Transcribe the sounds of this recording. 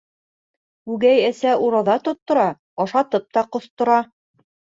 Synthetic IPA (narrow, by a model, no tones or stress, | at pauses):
ʉɡæjæsæʔuɾɑðɑt̪ŏt̪ːŏɾɑ | ɑʃɑt̪ɤp̚t̪ɑqŏθt̪ŏɾɑ